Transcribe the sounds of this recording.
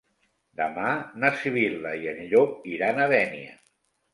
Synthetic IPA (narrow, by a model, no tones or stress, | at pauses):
d̪əmanasiβilˠəiəʎʎok̚iɾanəðɛniə̰